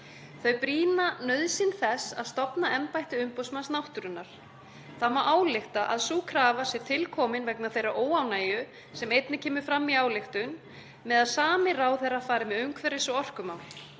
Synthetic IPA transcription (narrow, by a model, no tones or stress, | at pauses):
θœɥpɾiːnanœɥðsɪnθɛsa̰ðst̪ɔpnaɛmpajht̪ɪʏmpowsmansnawht̪ʏɾʏnːaɾ̥ | θamaʔaːwlɪxt̪aʔa̰ðsuːkʰɾaːvasɛ̥t̪ʰɪlkʰɔːmɪnvɛknaθejrːaʔoːwawnaːjʏ | sɛmejt̪nɪcʰɛːmʏɾ̥fɾamːiaːwlɪxt̪ʏn | mɛðaðsaːmɪraːwθɛrafaːɾɪmɛðʏŋkʰvɛɾɪsɔɣɔr̥kʏmam